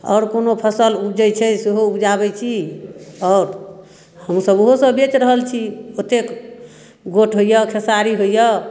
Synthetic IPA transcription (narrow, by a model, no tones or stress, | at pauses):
ɔ̰ːɾkonopʰəsəlupd͡ʒɛjt͡ʃʰɛseɦoupd͡ʒabɛt͡ʃʰi | ɔːɾ | həmsəbɦosə̃bet͡ʃɾəɦəlt͡ʃʰiot̪ek | ɡoʈʰɦoijəkʰesaɾiɦojjɔ